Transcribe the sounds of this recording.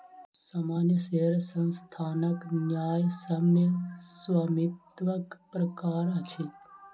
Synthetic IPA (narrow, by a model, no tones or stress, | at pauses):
saːmaːnjəʃeɾsə̃nst̪ʰaːnəknjaːjsəmesʋɐmɪt̪ʋəkpɾɐkaːɾət͡ʃʰi